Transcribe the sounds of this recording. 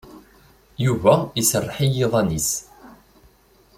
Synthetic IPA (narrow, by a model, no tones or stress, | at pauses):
juvæisərˤːħijeðˤɑnis